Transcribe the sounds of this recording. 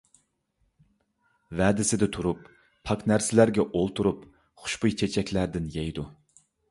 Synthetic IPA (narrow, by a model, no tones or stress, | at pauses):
væːd̪ɪsɪd̪ɪt̪ʰuɾupːʰ | ɑknæɾsɪlæɾɡʲɛʔolˠt̪ʰuɾup | χʊ̥ʃbujt͡ʃʰet͡ʃʰɛkʲlæɾd̪ɪnjɛjd̪u